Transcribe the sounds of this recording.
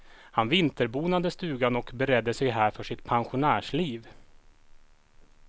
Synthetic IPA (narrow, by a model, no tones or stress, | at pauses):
hanvɪnt̪əɾbuːnad̪əst̪ʉ̟ːɡanɔkbɛɾɛd̪ːəsɛjɦæːɾfœʂɪt̪pʰanɧʊnæːʂliːv